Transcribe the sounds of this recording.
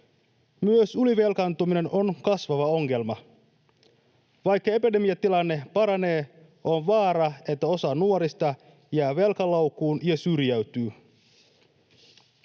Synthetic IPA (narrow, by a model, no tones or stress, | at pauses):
myøsyliʋe̞lkɑnt̪umine̞nʔo̞nkɑsʋɑʋɑo̞ŋːe̞lmɑ | ʋɑjkːɑepide̞mijɑt̪ilɑnːe̞pɑɾɑne̞ː | o̞nʋɑːɾɑe̞t̪ːæo̞sɑnuoɾist̪ɑ | jæːʋe̞lkɑlowkːˑuːnjɑsyrjæɥt̪yː